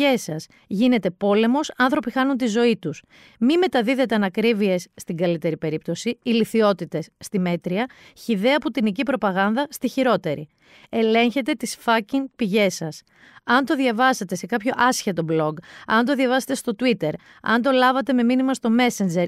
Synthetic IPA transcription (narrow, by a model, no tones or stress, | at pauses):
e̞sɐs | ʝine̞t̪e̞po̞le̞mo̞sɐnθɾo̞pixɐnunt̪izo̞it̪us | mime̞t̪ɐðiðe̞t̪e̞ɐnɐkɾivie̞sːt̪iŋɡɐlit̪e̞ɾipe̞ɾip̚t̪o̞siiliθio̞t̪it̪e̞sːt̪ime̞t̪ɾiɐçiðeɐput̪inicipɾo̞pɐɣɐnðɐst̪içiɾo̞t̪e̞ɾʔḭ | e̞le̞ɲçe̞t̪e̞t̪isfɐciŋpiʝe̞sɐs | ɐnt̪o̞ðʝɐvɐse̞t̪e̞se̞kɐpço̞ʔɐsçet̪o̞blo̞ɡɐ̰nt̪o̞ðjɐvɐset̪e̞st̪o̞t̪uit̪e̞ɾ | ɐ̰nt̪o̞lɐvɐt̪e̞me̞minimɐst̪o̞me̞send͡ʒe̞ɾ